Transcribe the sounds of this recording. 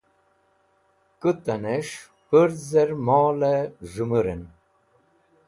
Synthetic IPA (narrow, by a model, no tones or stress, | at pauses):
kɨt̪ɐneʂ | pəɾzeɾmɔːleʐumuɾen